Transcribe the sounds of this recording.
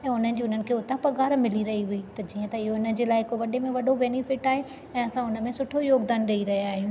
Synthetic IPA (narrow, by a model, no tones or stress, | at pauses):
ɛ̃ːʊnənɪ̆d͡ʑiːʊn̤ənɪ̆kʰeːʊt̪ãpɐɡaːɾmɪliɾɐɦiɦʊit̪ɐd͡ʑiːə̃t̪ɐɪɦoɪnə̆d͡ʑeːlaːɪɦɪkoʋɐɗemẽʋɐɗobeːnɪfɪʈaːɦe | ɛ̃ːɐsãʊnə̆mẽsʊʈʰojoːɡd̪aːnɾɐiɾɐɦjaːɦijũː